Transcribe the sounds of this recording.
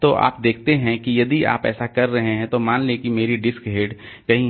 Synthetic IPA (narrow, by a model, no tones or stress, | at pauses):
t̪oːʔa̰ːp̚d̪eːk̚ʰt̪eɦɛ̃kijɐd̪ia̰ːpɛ̰ːsakɐɾːɐɦẽɦɛ̃t̪omaːnlekimeːɾiɖɪskɦeːɖ | kɐɦĩ